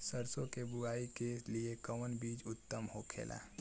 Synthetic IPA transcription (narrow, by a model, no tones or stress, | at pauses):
səɾsõkebʊaːikesliekəwənbiːd͡ʒʊt̪ːəmhokʰḛːla̰